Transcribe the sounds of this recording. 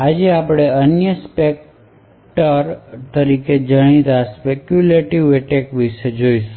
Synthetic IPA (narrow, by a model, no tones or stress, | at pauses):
ad͡ʒeapɽ̃eənjəspek̚ | ʈəɾt̪əɾiked͡ʒəɽ̃it̪aspekjuleʈiʋeʈekʋiʃed͡ʒoisu